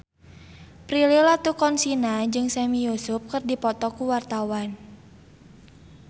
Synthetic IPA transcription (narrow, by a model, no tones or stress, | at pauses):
pɾililat̪ukɔnsinad͡ʒɨŋsɛmijusʊp̚kərdipɔt̪ɔkuwart̪awan